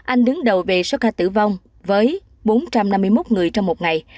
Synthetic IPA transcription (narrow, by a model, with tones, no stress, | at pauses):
ʔa˧jŋ̟ɗɨ˨˦ŋɗə˨˩wve˨˩so˨˦˥kaː˧˩t̪ɨ̰˧˩va˧wŋ͡m | vəː˨˦j | ɓo˨˦nt͡ɕa˧mna˧mːɨ˧əjmo˦˥t̚ŋɨ˨˩əjt͡ɕɔ˧wŋ͡mmo˨˩t̚ŋa˨˩j